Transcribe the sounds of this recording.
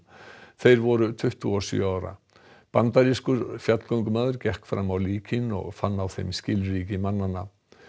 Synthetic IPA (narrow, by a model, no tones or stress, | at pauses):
θejɾvɔɾʏt̪ʰʏht̪uɔsʏœ̰aːwɾa̰ | pant̪aɾiskʏɾfjat̪l̥kowŋkʏmaːðʏɾcɛhkfɾamawliːcʰɪnɔ̰ɣfanːawθejmscɪlriːcɪmanːanːa